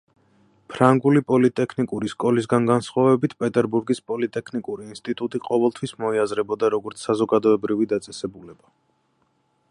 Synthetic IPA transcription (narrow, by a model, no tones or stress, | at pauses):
pʰɾaŋɡulipʼɔlit̪ʼɛkʰnikʼuɾiskʼɔlis̬ɡanɡansχwavɛbit̪ʰpʼɛt̪ʼɛɾbuɾɡispʼɔlit̪ʼɛkʰnikʼuɾiːnst̪ʼit̪ʼut̪ʼiqʼɔvɛlˠt̪ʰwismɔiazɾɛbɔd̪aɾɔɡɔɾt̪sʰsazɔɡad̪ɔɛbɾivid̪at̪sʼɛsɛbulɛba